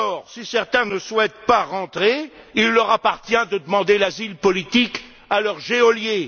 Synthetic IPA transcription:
ɔːʁsisɛʁt̪ɛ̃nəswɛt̪paʁɑ̃t̪χeilːœʁapaʁt̪jɛ̃d̪əd̪əmɑ̃d̪elazilpɔlit̪ik | alœʁʒeɔlje

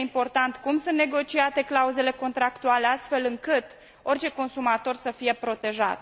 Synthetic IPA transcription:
impo̞rt̪ant̪kumsunt̪neɡo̞t͡ʃiat̪e̞klauze̞le̞ko̞nt̪ɾakt̪uale̞ast̪fe̞lɨŋkɨt̪ | o̞rt͡ʃe̞ko̞nsumat̪o̞rsəfije̞pɾo̞t̪e̞ʒa̰t̪

